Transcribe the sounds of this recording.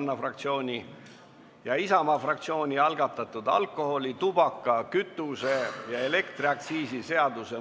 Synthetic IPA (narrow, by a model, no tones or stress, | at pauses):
nːɑfrɑk̚t̪sio̞ːnʲi | jɑisɑmɑfrɑkt̪sio̞ːnʲiɑlɡ̥ɑt̪ːˑɑt̪ːˑud̪ɑ̰lkːˑo̞ho̞lʲit̪ub̥ɑkːˑɑkyt̪ːˑuse̞jɑe̞le̞kt̪riɑk̚t̪siːsise̞ɑd̪use